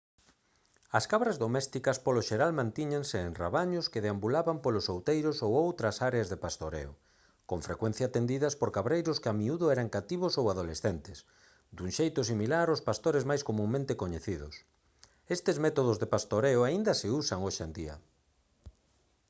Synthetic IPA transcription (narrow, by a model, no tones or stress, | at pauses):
ɐskaβɾazðomɛst̪ikɐspoloʃeɾalmãnt̪iɲeŋsɪːnra̰βaɲʊskeðeambulaβampolosowt̪ejɾʊsowowt̪ɾɐsaɾeazðepast̪oɾḛo | koɱfɾḛkwẽn̟θjaːt̪end̪iðɐspoɾkaβɾejɾʊskeamiuðʊɛɾaŋkat̪iβʊsowaðolesθent̪ɪs | d̪uŋʃejt̪ʊs̬imilaɾospast̪oɾezmajskomũŋmẽnt̪ekoɲeθiðʊ̰s | est̪ezmɛt̪oð̞ʊzðepast̪oɾeʊaind̪ɐsɪusaŋoʃḛnd̪iɐ̰